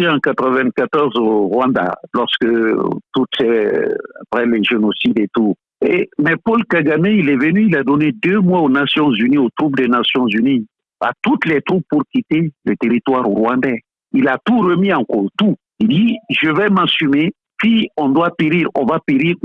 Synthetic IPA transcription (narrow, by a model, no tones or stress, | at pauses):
eɑ̃kat̪ɾəvɛ̃kat̪ɔʁzoʁwãnd̪a̰lɔʁskət̪ut̪ɛa̰pχɛlɛʒenosidɛt̪u | ḛmɛpɔlkaɡamɛilɛvənyilad̪ɔned̪ømwaonasjɔ̃zyniot̪ɾupd̪ɛnasjɔ̃zyni | a̰t̪ut̪lɛt̪ɾup̚pːuɾkit̪elət̪eɾit̪waɾɾwãnd̪ɛ | ilat̪uɾəmiãkɔt̪u | id̪iʒəvɛmasyme | siɔ̃d̪wapeɾiʁɔ̃vapeɾiʁ